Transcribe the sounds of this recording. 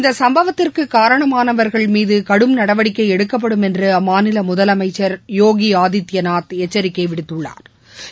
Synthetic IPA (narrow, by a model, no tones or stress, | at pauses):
ɪnd̪ɐsɐmbɐʋɐt̪ːɪrkɯkaːɾɐɳɐmaːnɐʋɐɾɣɐɭmiːðɯkɐɽɯmnɐɽɐʋɐɽɪkːɐɪɛɽɯkːɐp̬ːɐɽɯmɛndrɯɐmaːnɪlɐmʊðɐlɐmɐɪt͡ʃːɐɾjoːɣiaːðɪt̪ːɪjɐnaːt̪ɛt͡ʃːɐɾɪkːɐɪʋɪɽɯt̪ːɯɭːa̰ːɾ